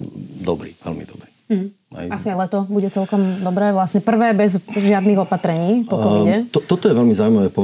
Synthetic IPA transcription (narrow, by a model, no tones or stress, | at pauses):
d̪ɔbɾḭːʋɛ̰lmḭd̪ɔbɾiːɦ̩ | a̰asiaɪjlɛt̪ɔbuɟɛt͡sɛlkɔmd̪ɔbɾɛːʋlasɲɛpr̩ʋɛːbɛzʒɪad̪niɣɔpat̪ɾɛɲiːpɔkɔmiɲɛt̪ɔt̪ɔt̪ɔjɛʋɛlmizaːujmaʋɛːpɔ